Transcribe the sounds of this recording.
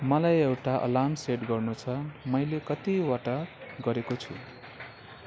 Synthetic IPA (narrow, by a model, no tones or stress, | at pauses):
mʌlajewʈaʔʌ̰lamseʈɡʌrnut͡sʰʌmʌjlekʌt̪iwaʈaɡʌɾekot͡sʰṵ̃